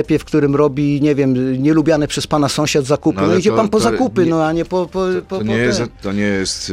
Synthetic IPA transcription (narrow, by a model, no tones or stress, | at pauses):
pʲjɛfkt̪uɾɘmɾɔbʲiɲɛvʲjɛmɲɛlubʲjanɛpʂɛspanasɔ̃w̃ɕad̪zakup̪ɪnɔid͡ʑɛpanpɔzakupɘnɔaɲɛpɔpɔpɔɛst̪ːɔɲɛjɛst̪